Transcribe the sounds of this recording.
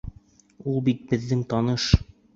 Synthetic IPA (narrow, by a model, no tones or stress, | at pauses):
ulˠbit̪̚bɘ̆ðːɘŋt̪ɒnɤʃ